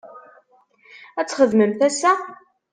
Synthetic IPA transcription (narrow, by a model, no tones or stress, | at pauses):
æt͡sːχəðməmθæsæ